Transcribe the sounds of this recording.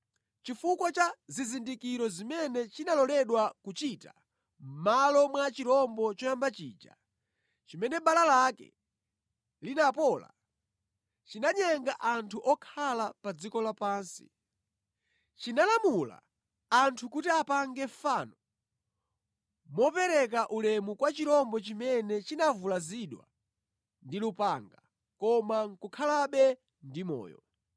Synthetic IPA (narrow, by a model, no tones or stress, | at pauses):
t͡ʃifukwat͡ʃazizindikiɾɔzimɛnɛt͡ʃinalɔlɛɗwakut͡ʃita | m̩malɔmwat͡ʃiɾɔmbɔt͡ʃɔjambat͡ʃḭːd͡ʒa̰ | t͡ʃimɛnɛbalalakɛ̰ | linapɔːla̰ | t͡ʃinaɲɛŋɡaʔantʰuʔɔkʰalapad͡zikɔlapaːnsḭ | t͡ʃinalamula̰ | antʰukutiapaŋɡɛfaːnɔ | mɔpɛɾɛkaʔulɛmukwat͡ʃiɾɔmbɔt͡ʃimɛnɛt͡ʃinavulaziɗwa̰ | ndilupaŋɡa | kɔmaŋ̩kukʰalaɓɛ | ndimɔ̰ːjɔ̰